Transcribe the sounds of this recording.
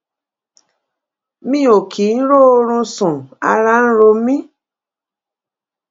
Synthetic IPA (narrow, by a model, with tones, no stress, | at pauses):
mĩ˦˨o˨kʰi˨˦n̩˦ɾo˦o˧ɾ̃ũ˧sɔ̃˨a̰˧ɾa˦n̩˦ɾo˧mĩ˦